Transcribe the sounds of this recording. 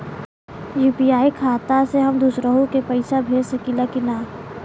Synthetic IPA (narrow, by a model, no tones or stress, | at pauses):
juːpiaːikʰaːt̪aseɦəmd̪uːsɾəɦõkepɐɪsabʱeːd͡ʒsɐkilakinaː